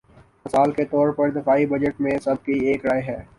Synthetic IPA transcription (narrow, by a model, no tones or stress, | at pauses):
mɐsaːlket̪ɔːɾpɐɾd̪ɪfaːibɐd͡ʒəʈmẽsɐb̚kieːkɾaːeɦɛː